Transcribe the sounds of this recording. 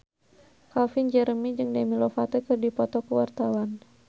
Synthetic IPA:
kafind͡ʒɛɾəmid͡ʒɨŋdɛmilɔfat̪ɔkɨrdipɔt̪ɔkəwart̪awan

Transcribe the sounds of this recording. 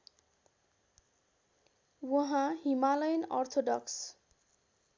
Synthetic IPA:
wʌɦãɦimalʌjnʌrt̪ʰoɖʌks

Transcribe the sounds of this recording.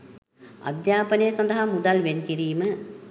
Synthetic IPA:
ɐ̰d̪jaːpənejəsɐnd̪əɦamud̪ɐlʋenkiɾiːmə

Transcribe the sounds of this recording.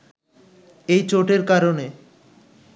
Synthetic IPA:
ejt͡ɕoʈeɾkaɾone

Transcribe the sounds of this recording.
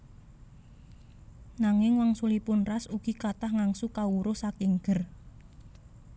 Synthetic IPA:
naŋɪŋwaŋsulipʊnrasuɡ̥i̤kat̪ahŋaŋsukauɾʊhsakɪŋɡ̥ər

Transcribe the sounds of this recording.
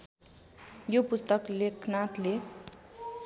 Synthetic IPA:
jopust̪ʌklekʰnat̪le

